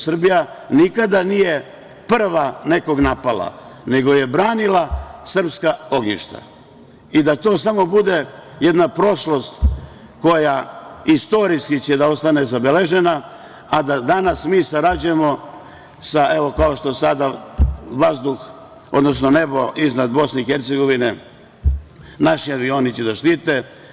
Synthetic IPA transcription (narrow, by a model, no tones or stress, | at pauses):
sr̩bija | nikad̪anije̞ | pr̩ʋane̞ko̞ɡnapala̰ne̞ɡo̞je̞bɾaːnilasr̩pskao̞ɡɲḭʃt̪a̰ | id̪at̪o̞ːsamo̞bud̪e̞ | je̞d̪napɾo̞ʃlo̞st̪ | ko̞jaist̪o̞ɾiskit͡ɕed̪ao̞st̪ane̞zabele̞ʒe̞naː | d̪ad̪anasmiːsaɾad͡ʑujemo̞ | saʔe̞ʋo̞kao̞ʃt̪o̞sad̪aʋazd̪ux | o̞̰d̪no̞sno̞ne̞bo̞ʔiznad̪bo̞sneixeɾt̪seɡo̞ʋine | naʃiaʋio̞ːnit͡ɕed̪aʃt̪iːt̪e